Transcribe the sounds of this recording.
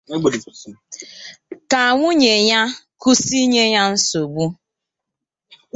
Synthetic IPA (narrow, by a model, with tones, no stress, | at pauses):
ka˨ŋʷʊ˦ɲe˨ɲa˦ku˦si˦ɲe˦ɲa˦n̩˦so˨ɡ͡bu˦